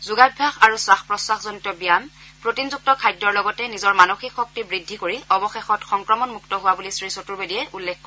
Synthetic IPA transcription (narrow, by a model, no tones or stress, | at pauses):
zuɡabʱaxaɹuswaxpɹɔsaxzɔnitɔbijam | pɹotinzuk̚tɔkʰajdɔɹlɔɡɔtɛnizɔɹmanoxikxɔk̚tibɹidʱːikoɹiɔbɔxexɔtxɔŋkɹɔmɔnmuktɔɦʊwabulisɹisotuɹbedijɛʔulːekkɔ